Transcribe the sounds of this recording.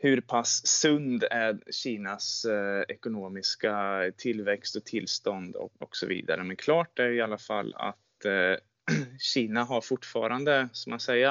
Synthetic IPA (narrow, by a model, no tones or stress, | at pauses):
hɵɾpʰasːɵnd̪æɾɕiːnasɛkʊnoːmɪskat̪ʰɪlːvɛkst̪ɔt̪ʰɪlːst̪ɔnd̪ɔ̰ɔksɔvḭːd̪a̰ɾəmɛnkʰlɑːʈdæɾɪalːafa̰lːa̰t̪ | ɕiːnaɦaɾfʊʈːfɑ̰ːɾand̪əsɔmansɛjːa